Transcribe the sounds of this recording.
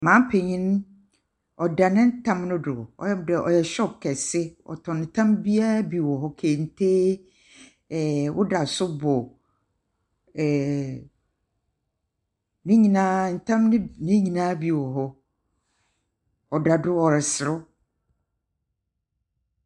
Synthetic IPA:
mã˨˦m˦pʰe˨ɲĩ˦n˦ | ɔ˨da˨nɪ̃˦n̩˦tʰã˦mnʊ̃˦dʊ˨ɔ̰˨ɛ˦˨dɛ˨ʔɔ˨jɛ˨ɕᶣɔ˦kʰɛ˨sɪ˦ɔ̰˨tʰɔ̃˨nɪ̃˨tʰã˦mbi˦a˦bi˨wɔ˨ɦɔ˦kʰe˨n̩˨tʰe˦˨ | wʊ˦da˨sʊ˦bɔ˨ | ɛ˨ | nĩ˦ɲĩ˨nã˦n̩˨tʰã˦mnɪ̃˦nĩ˦ɲĩ˨nã˦bi˨wɔ˨ɦɔ˦ | ɔ˨da˨dʊ˦ɔ˨ɾɪ˨sɪ˨ɾʊ˦

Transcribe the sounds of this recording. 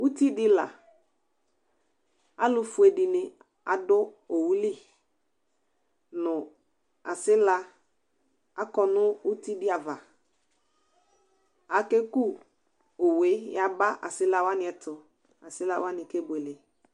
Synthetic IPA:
u˦ti˦dɪ˦la̰˨ | a˦lʊ˦fʊ˨e˨dɪ˨nɪ˨ | a˨dʊ˦o˨wu˨˦li˦˨ | nʊ˨ | a̰˨sɪ˦la˦ | a˦kɔ˦nʊ˦u˦ti˦dɪ˦a˨va˨ | a˨ke˦ku˦ | o˨we˨˦ja˨ba˦ʔa̰˨sɪ˦la˦wa˦nɪ˨ɛ˨tʰʊ˨ | a˨sɪ˦la̰˦wa˦nɪ˨ke˦be˨le˨

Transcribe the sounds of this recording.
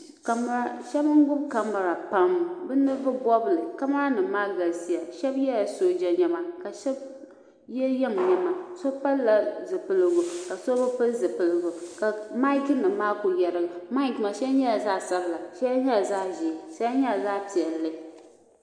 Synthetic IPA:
ka˨m˦ɾa˦ʃɛ˦bŋ̩˦ɡʊ˦bka˦mːa˨ɾa˨pa˦mbɨ˦nɨ˦bɨ˦bɔ˦bɨ˨lɨ˨ka˦ma˦ɾa˦nɨ˨maː˦ɡa˨lsi˦ja˨ʃɛ˦bjɛ˦la˨so˦d͡ʒa˨ɲɛ˨˦ma˨ka˨ʃɛ˦b | jɛ˦jɛ˦m˨ɲɛ˨ma˨so˦pa˦lla˨zɨ˨pɨ˦lɨ˨ɡʊ˨ka˨so˦bɨ˦pɨ˦lzɨ˨pɨ˦lɨ˦ɡʊ˨ka˨ma˦knɨ˨mːaː˦ku˨jɛ˨ɾɨ˦˨ɡa˨ma˦i˦˨kma˨ʃɛ˦ɲɛ˦la˨zaː˦sa˦bla˨ʃɛ˦ɲɛ˦la˨zaː˦ʒi˨sa˦a˦ɲɛ˦la˨zaː˦pi˨ɛ˨lːɨ˦

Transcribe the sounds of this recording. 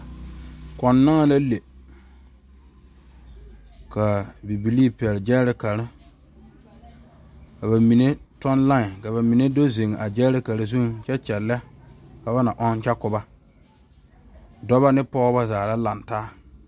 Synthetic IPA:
kɔ˨nːa˦ŋa˦la˦le˨ | ka˨bi˨bi˨liː˦pɛ˨lɪ˨d͡ʒɛ˦ɾɪ˦ka˨ɾɪ˦ | ka˨βa˨mi˨ne˦tɔ˦n˦la˦ŋɪ˨ka˨βa˨mi˨ne˦do˦ze˨ŋ˨ʔa˨d͡ʒɛ˦ɾɪ˦ka˨ɾɪ˦zu˦ŋt͡ʃɛ˦t͡ʃɛ˨lːɛ˦ka˨ba˦na˨ʔɔ˦n˦t͡ʃɛ˦kʊ˨ba˦ | dɔ˦βa˦nɪ˦pɔ˦ɣba˦zaː˨la˦la˨ntaː˦

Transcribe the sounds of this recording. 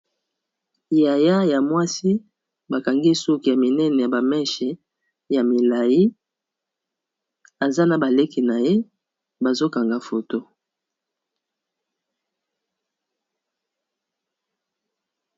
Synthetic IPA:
ja˨ja˦ja˨mwa˦si˦ | ba˨ka˨ŋɡi˦su˦ki˨ja˨mi˨nɛ˦nɛ˨ja˨ba˨mɛ˦ʃɛ˨ | ja˨mi˨la˨ji˦ | a˨za˦na˨ba˨le˦ki˨na˨je˦ | ba˨zo˦ka˨ŋɡa˨fo˨to˦

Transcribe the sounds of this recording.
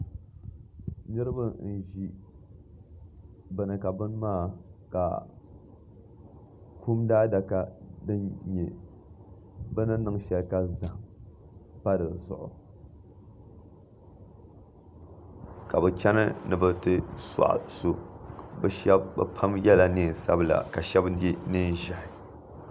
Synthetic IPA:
nɨ˦ɾɨ˦bɨ˦n̩˨ʒi˦ | bɛ˨nɨ˨ka˨bɨ˦n˦maː˦˨ka̰˨ | ku˦mdaː˦da˨ka˦dɨ˦nɲɛ˨ | bɨ˦nɨ˦nɨ˦ŋʃɛ˨lka˦za˨m | pa˦dɨ˨zʊ̰˨ʔʊ̰˨ | ka˨bɨ˨t͡ʃɛ˦nɨ˦nɨ˨bɨ˨tɨ˦sa̰˨ʔa̰˨su˨bɛ˨ʃɛ˦bbɨ̰˦pʰa˦mjɛ˦la˨ni˦˨sa˦bla̰˨ka˨ʃɛ˦bdi˦nɨ˦n˨ʒa˨ɪ˨

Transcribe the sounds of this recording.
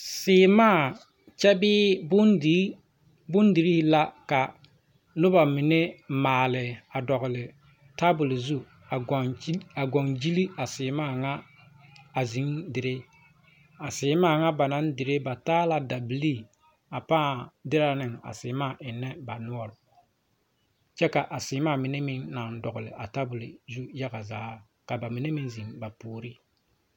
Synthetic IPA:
sɪː˨˦maː˦˨ | t͡ʃɛ˦bɪː˦bʊ˦ | bʊ˦ndi˨ɾi˦la˦ka˨ | nʊ˦ba˨mɪ˨nɛ˦maː˨lɪ˨a˨dɔ˨ɣʊ˨lɪ˨ | ta˦bʊ˨lzu˦˨˦ | a˨ɡɔ˨ŋd͡ʒi˦li˦a˨sɪː˨maː˦˨ŋa˦ | a˨zi˨˦ŋdɪ˨ɾe˦ | a˨sɪː˨˦maː˦˨ŋa˦ba˨na˦ndɪ˨ɾe˦ba˨taː˦la˨da˨bli˦ | a˨paː˦˨dɪ˦ɾa˨nɪ˨ŋa̰˨sɪ˨˦maː˦˨ʔɪ˨nːɛ˦ba˨nʊ˦ɔ˦ɾ | t͡ʃɛ˦ka˨ʔa˨sɪː˨˦maː˦˨mɪ˨ne˦mɪ˦ŋːa˨ndɔ˨ɣʊ˨lɪ̰˨ʔa˨ta˦bʊ˨lɪ̰˨zu˦ja˦ɡa˨zaː˨˦ | ka˨ba˨mɪ˨ne˦mi˨nzi˨ŋba˨puː˨ɾi˦

